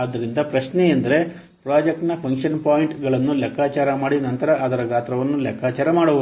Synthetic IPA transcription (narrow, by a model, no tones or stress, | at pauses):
ɐd̪ːɐɾind̪ɐpɾɐʃneend̪ɐɾe̞ | pɾaːd͡ʒek̚ʈnɐpʰɐŋkʂɐnpaːjiɳʈɡɐɭɐnːulɛkʰːaːt͡ʃaːɾɐmaːɽinɐnt̪ɐɾɐʔɐd̪ɐɾɐɡaːt̪ɾɐʋɐnːulɛkʰːaːt͡ʃaːɾɐmaːɽuʋ